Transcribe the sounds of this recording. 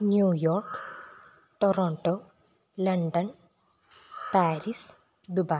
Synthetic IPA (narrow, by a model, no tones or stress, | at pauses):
njuːjoːɾk | ʈoɾoːɳʈo | lɐɳɖɐn | paːɾis | d̪uba